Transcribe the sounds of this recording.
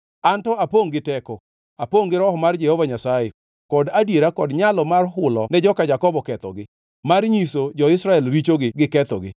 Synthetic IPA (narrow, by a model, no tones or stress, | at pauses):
antɔapoŋɡɪtɛkɔ | apoŋɡɪɾɔɦɔmard͡ʒɛhovaɲasaje | kɔdadjeɾakɔdɲalɔmarɦʊlɔnɛd͡ʒɔkad͡ʒakɔbɔkɛt̪ɔ̰ɡɪ | marɲisod͡ʒɔɪsɾaɛlɾit͡ʃoɡɪɡɪkɛt̪ɔ̰ɡɪ̰